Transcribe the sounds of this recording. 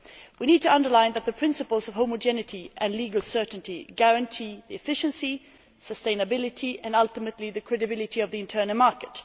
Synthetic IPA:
wiñiːd̚tɨʌ̃ndə˞lãɪ̃nðət̪̚ðɨpʰɹ̥ɪ̃nsɨpəlˠzʌv̥ɦõʊməd͡ʒɛnɨɾʰiʔɨ̃nliɡəlˠsɜ˞ʔn̩tiɡæɹɨ̃ntʰiðiɨfɪʃɨ̃nsi | səstẽɪ̃nɨbɪlˠɪtʰiʔɨ̃nʌlˠtəmətˡliðɨkʰɹ̥ɛdɨbɪlˠɨɾiʌvðiɨ̃ntʰɜ˞nəmɑɹkɨt

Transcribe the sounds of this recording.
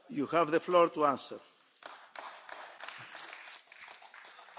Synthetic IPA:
juhɛvðefloɾt̪uãnsḛɾ

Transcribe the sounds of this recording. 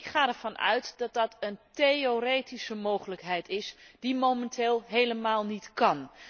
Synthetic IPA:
χaːdɛɹv̥ɑnʔœ̰ɥtdɑt̚dɑtənteorejtisəmowχələkɦɛjtʰɪsd̥imomɛntʰeːlˠɦejləmaːlˠnitkɑn

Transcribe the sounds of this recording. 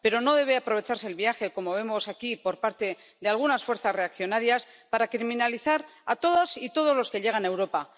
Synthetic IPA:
pe̞ɾo̞no̞ð̞e̞β̞eapɾoβ̞e̞t͡ʃaɾse̞ːlβiaxe̞ko̞mo̞β̞e̞mo̞sakipo̞ɾpaɾt̪e̞ðealɣunasfwe̞ɾθasre̞akθjo̞naɾjas | paɾakɾiminaliθaɾat̪o̞ðasit̪o̞ð̞o̞zlo̞skeʎe̞ɣ̞anewɾo̞pa

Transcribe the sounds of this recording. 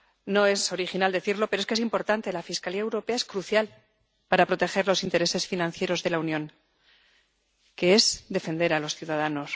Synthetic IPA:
no̞e̞so̞ɾixinald̪e̞θiɾlo̞peɾoeskees̬impo̞ɾt̪ant̪e̞lafiskaliaewɾo̞pe̞ae̞skɾuθjal | paɾapɾo̞t̪e̞xe̞ɾlo̞sint̪eɾe̞se̞sfinãn̟θje̞ɾo̞zðe̞launjõ̞ŋ | ke̞e̞zd̪e̞fe̞nd̪e̞ɾalo̞sθjuðaðano̞s

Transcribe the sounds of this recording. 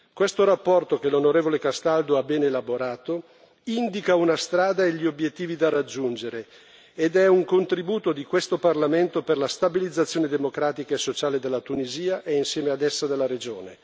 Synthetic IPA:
kwest̪oɾapːɔrt̪okelonoɾeːvolekast̪ald̪oabɛːnelaboɾaːt̪o | ind̪ikaunast̪ɾaːd̪aeʎːiobjet̪ːiːvid̪arad͡ʒːund͡ʒeɾeː | d̪ɛuŋkont̪ɾibuːt̪od̪ikwest̪oparlament̪operlast̪abilid̪zːat̪sːjoːned̪emokɾaːt̪ikaesːot͡ʃaːled̪elːat̪uniziːaʔeinsjɛːmead̪ɛsːad̪elːaɾed͡ʒoːne

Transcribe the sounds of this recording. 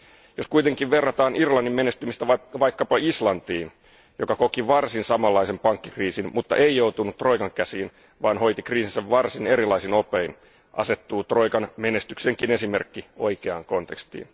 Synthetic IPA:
joskuit̪eŋkiʋʋe̞rːɑt̪ɑːnʔirlɑnːimme̞nest̪ymist̪æɑʋɑjkːɑpɑislɑnt̪iːn | jokɑkokiʋɑrsinsɑmɑlːɑisempɑŋkːi̥kriːsinmut̪ːɑ̰ʔe̞ijowt̪unut̪ːro̞jkɑŋkæsiːn | ʋɑːnɦo̞jt̪ikriːsinsæʋʋɑrsine̞ɾilɑisino̞pein | ʔɑ̰se̞t̪ːuːt̪ro̞jkɑnme̞nest̪ykse̞ŋkine̞sime̞rkːioikeɑ̰ːŋko̞nt̪ekst̪ḭːn

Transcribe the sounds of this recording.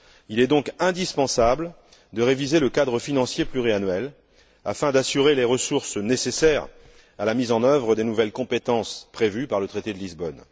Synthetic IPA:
ilɛd̪ɔ̃kɛ̃d̪ispɑ̃sabl | d̪əʁevizeləkad̪ʁəfinɑ̃sjeplyʁianɥɛl | a̰fɛ̃d̪asyʁeleʁəsuʁsnesesɛʁ | alamizɑ̃nœvʁəd̪enuvɛlkɔ̃pet̪ɑ̃spχevypaʁlət̪χet̪ed̪əlizbɔn

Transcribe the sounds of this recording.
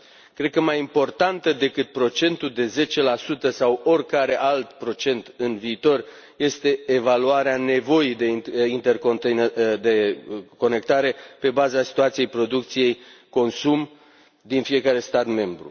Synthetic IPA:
kɾe̞d̪̚kəmajimpo̞rt̪ant̪əd̪e̞kɨt̪̚pɾo̞t͡ʃe̞nt̪ud̪e̞ze̞t͡ʃe̞lasut̪əsawo̞rʲkaɾe̞ʔalt̪pɾo̞t͡ʃe̞nt̪ɨnviːt̪o̞r | je̞st̪e̞ːvaluaɾeane̞vo̞ijd̪eint̪e̞rkod̪e̞ko̞ne̞k̚t̪aɾe̞pe̞bazasi̥t̪uat̪sije̞jpɾo̞d̪uk̚t̪sije̞jko̞nsum | d̪infije̞kaɾe̞st̪at̪me̞mbɾṵ

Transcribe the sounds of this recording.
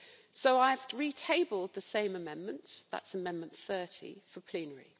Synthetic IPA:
soʊaɪvɹitʰeɪbəlˠd̪̚ðəsẽɪ̃məmɛ̃nmə̃nʔða̰tsəmɛ̃nmə̃nθɜˑtʰḭfəpʰl̥ĩːnəɹḭ

